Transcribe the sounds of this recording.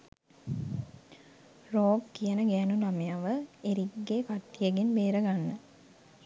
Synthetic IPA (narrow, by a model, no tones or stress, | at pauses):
roːɡkːijənəɡæːnulamejaʋəeɾiɡːeːkat̪ːijəɡenbeːɾəɡanːə